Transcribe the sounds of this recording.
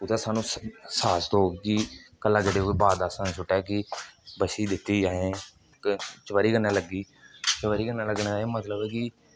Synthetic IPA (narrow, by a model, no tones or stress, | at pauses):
ʊt̪aːsaːnũːsaːst̪oːkɪkəlːãːd͡ʒəɽeːoeːbaːd̪aːsə̃nsʊʈɛːkɪbəʃiːd̪ɪt̪ːiːd͡ʒãːẽː | kt͡ʃəʋəɾiːkənːaːləɡiː | t͡ʃəʋəɾiːkənːaːləɡnːẽːmət̪ləbɛːkɪ